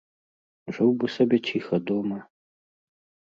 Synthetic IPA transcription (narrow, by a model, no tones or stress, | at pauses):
ʐɨwbɨsɐbʲet͡ʃʰixɐd̪omɐ